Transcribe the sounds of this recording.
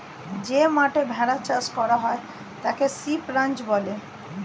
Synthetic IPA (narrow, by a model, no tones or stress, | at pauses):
d͡ʑemaʈebʱɛɽat͡ɕaskɔɾaɦɔe | t̪akesipɾant͡ɕbɔle